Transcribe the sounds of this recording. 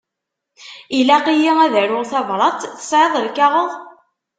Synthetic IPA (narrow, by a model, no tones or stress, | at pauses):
ilæqijiæðæɾʊʁθævɾˤɑt̪θə̥sʕeðˤəlkaʁəðˤ